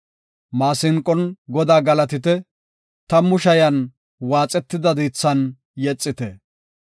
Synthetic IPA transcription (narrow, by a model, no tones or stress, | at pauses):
maːsɪŋkʼɔnɡɔd̪aːɡɐlɐt̪ɪt̪ɛ | t̪ɐmʊʃɐjɐn | waːt͡sʼɛt̪ːɪd̪ɐd̪iːt͡sːɐn | jɛt͡sʼːɪt̪ɛ